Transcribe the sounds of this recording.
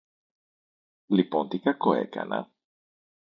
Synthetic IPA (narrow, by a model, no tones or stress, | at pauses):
lipont̪ikakoḛkɐ̰nɐ̰